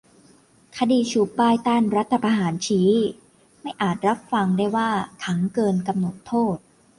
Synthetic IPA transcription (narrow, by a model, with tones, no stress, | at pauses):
kʰa˧diː˧t͡ɕʰuː˨˩pːaː˥˩jt̪aː˥˩nɾa˦˥t̪ʰːa˧pʰaː˧ɦaː˩˦nt͡ɕʰiː˦˥ | ma˥˩jʔaː˨˩t̪̚ɾa˦˥p̚fa˧ŋdaː˥˩jwaː˥˩t̪ʰa˦˥ŋkɤː˧nka˧mno˨˩t̪ʰːoː˥˩t̪̚